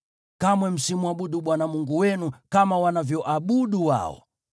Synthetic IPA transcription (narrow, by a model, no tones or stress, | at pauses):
kamwɛm̩simuaɓuɗuɓwanamuŋɡuwɛnukamawanavjɔʔaɓuɗuwa̰ɔ̰